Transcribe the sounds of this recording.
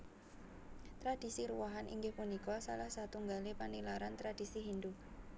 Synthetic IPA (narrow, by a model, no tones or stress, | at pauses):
t̪ɾad̥isiɾuwaɦanʔḭŋɡɪhpunikɔsa̰lahsat̪uŋɡalepanilaɾant̪ɾad̥isiɦind̪u